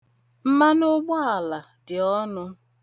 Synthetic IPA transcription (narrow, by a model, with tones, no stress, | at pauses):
m̩˦ma˦nʊ˦ɡ͡bɔ˦a˨la˨ | dɪ˨ɔ˦nʊ˦